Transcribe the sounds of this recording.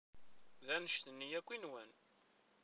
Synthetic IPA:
ðænəʃt̪ənːijækʷːinwən

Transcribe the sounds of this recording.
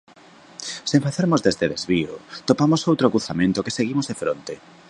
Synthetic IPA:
sẽɱfaθeɾmozðezðeðezβio̰t̪opamosowt̪ɾokɾuθamẽnt̪okeseɣimozðefɾont̪e

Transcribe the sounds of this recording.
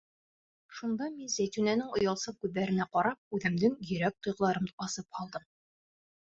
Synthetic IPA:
ʃund̪ɑminzæjt̪ʉnænɘŋŏjɑlˠsɤkʉððæɾɘ̆næqɒɾɑp̚ʉðɘ̆md̪ɘŋjɵ̆ɾæk̚t̪ŏjʁɤ̆lˠɑɾɤmɒsɤphɒlˠd̪ɤm

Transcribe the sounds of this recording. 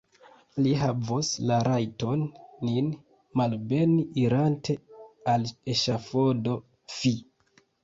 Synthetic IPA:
liɦavoslaɾajto̞nːin | malbe̞niʔiɾantʰe̞aleʃafodo̞ | fi

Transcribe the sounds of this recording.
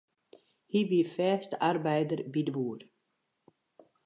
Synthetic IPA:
hibiəfɛːstəʔarbɛjdərbidəbuːər

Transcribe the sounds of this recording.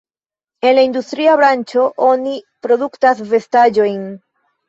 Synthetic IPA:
e̞nlaindustɾiabɾant͡ʃo̞ʔo̞nipɾo̞duktasve̞stad͡ʒo̞jn

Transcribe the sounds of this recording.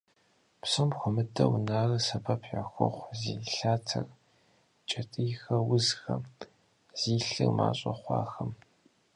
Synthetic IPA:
psɐmxʷɔmɨdʰɐ̰wnaːrɨsɐpʰɐpʰħɐxʷʊχʷziːɬaːtʰɐr | t͡ʃʼɐtʼijxɐwʊzxɐ̰ | z̥iːɬɨ̰rma̰ːɕʼɐχʷɑ̰ːxɐm

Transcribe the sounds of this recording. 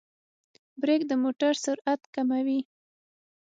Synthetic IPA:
bɾeɡd̪əmoʈaɾsʊɾat̪kamawi

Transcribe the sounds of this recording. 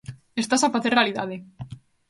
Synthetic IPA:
est̪asafaθeɾrealiða̰ð̞e

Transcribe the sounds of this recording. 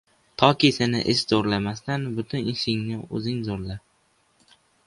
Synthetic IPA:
t̪ʰɒkʲisɪnɪ̰ʔɪʃzoɾlamast̪anbʊt̪ʰʊnɪʃɪŋnɪɵ̰zɪŋzoɾlap̚

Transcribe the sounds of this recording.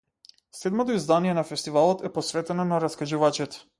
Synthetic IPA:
sɛd̪mɔt̪ɔizd̪anijɛnafɛst̪ivalˠɔt̪ɛpɔsvɛt̪ɛnɔnaɾaskaʒuvat͡ʃɛt̪ɛ̥

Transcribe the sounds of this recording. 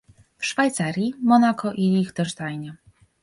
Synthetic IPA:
fʂfajt̪saɾʲjimɔnakɔʔilʲixd̪ɛʐd̪ajnɛ

